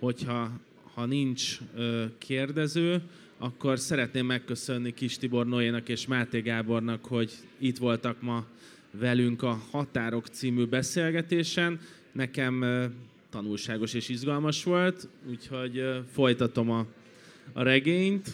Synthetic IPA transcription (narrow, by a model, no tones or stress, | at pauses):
ho̞chɒ | hɒnint͡ʃøːkʰeːrd̪ɛzøː | ɒkːo̞rsɛɾɛt̪neːmːɛkːø̞sø̞nːikiʃt̪ibo̞rnoeːnɒkeːʃmaːt̪eːɡaːbo̞rnɒkho̞ɟ | it̪ʋo̞lt̪ɒkmɒ | vɛlyŋkɒhɒt̪aːɾo̞kt̪siːmyːbɛseːlɡɛt̪eːʃɛnː | ɛkɛm | t̪ɒnulʃaːɡo̞ʃeːʃiʒɡɒlmɒʃʋo̞lt̪uːcho̞ɟfo̞jt̪ɒt̪o̞mɒː | ɾɛɡeːɲt̪